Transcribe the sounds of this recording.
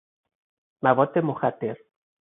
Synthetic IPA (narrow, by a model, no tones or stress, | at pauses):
maβɔt̪emoxat̪eɾ